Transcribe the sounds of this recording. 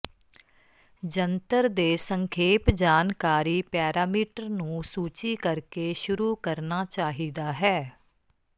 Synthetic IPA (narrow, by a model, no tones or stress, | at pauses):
d͡ʒənt̪əɾd̪eːsəŋkʰeːpd͡ʒaːnkaːɾiːpɛːɾaːmiːʈəɾnũːsuːt͡ʃiːkəɾkeːʃʊɾuːkəɾnaːt͡ʃaːɦiːd̪aːɦɛː